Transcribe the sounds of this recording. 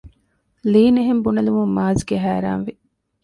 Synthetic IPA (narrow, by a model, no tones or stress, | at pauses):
liːneɦembunɐlumumːaːzɡeɦæːɾa̰ːnʋi